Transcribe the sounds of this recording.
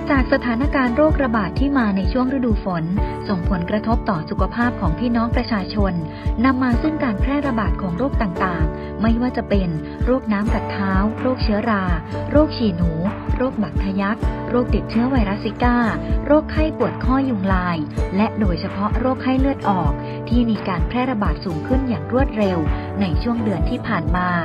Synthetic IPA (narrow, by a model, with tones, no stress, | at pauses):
t͡ɕaː˨˩k̚sa˧t̪ʰaː˩˦na˦˧˥kaː˧nɾoː˥˩k̚ɾa˧baː˨˩t̪ʰːiː˥˩maː˧na˧jt͡ɕʰu˥˩əŋɾa˦˥duː˧fo˩˦nso˨˩ŋpʰo˩˦nkɾa˧t̪ʰo˦˥p̚t̪ɔː˨˩su˨˩kʰa˧pʰaː˥˩p̚kʰɔː˩˦ŋpʰiː˥˩nɔː˦˥ŋpɾa˧t͡ɕʰaː˧t͡ɕʰo˧nː | a˧mːaː˧sɯ˥˩ŋkaː˧npʰɾɛː˥˩ɾa˧baː˨˩t̪̚kʰɔː˩˦ŋɾoː˥˩k̚t̪aː˨˩ŋt̪aː˨˩ŋ | ma˥˩jwaː˥˩t͡ɕa˨˩pe˧n | ɾoː˥˩k̚naː˦˥mka˨˩t̪ʰːaː˦˥wɾoː˥˩k̚t͡ɕʰɯ˦˥ɐɾaː˧ɾoː˥˩k̚t͡ɕʰiː˨˩nuː˩˦ɾoː˥˩k̚ba˨˩t̪ʰːa˧ja˦˥k̚ɾoː˥˩k̚t̪i˨˩t̪̚t͡ɕʰɯ˦˥ɐwa˧jɾa˦˥sːi˦˥kaː˥˩ɾoː˥˩k̚ha˥˩jpu˨˩ət̪̚kʰɔ˥˩jːu˧ŋlaː˧jlɛ˦˥ʔdoː˧jt͡ɕʰa˧pʰɔ˦˥ɾoː˥˩k̚ha˥˩jlɯ˥˩ət̪̚ʔɔː˨˩k̚ | t̪ʰiː˥˩miː˧kaː˧npʰɾɛː˥˩ɾa˧baː˨˩t̪̚suː˩˦ŋkʰɯ˥˩njaː˨˩ŋɾu˥˩ət̪̚ɾe˧w | na˧jt͡ɕʰu˥˩əŋdɯ˧ənt̪ʰiː˥˩pʰaː˨˩nmaː˧